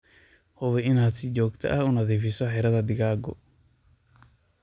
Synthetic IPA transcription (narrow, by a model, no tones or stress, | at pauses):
hɔβɛɪnaːd̪sɪt͡ʃɔːɡt̪ʰɐ̰ʔɐhunɐðiːfɪsɔħɛɾɐðɐd̪ɪɣaːɡɔ̰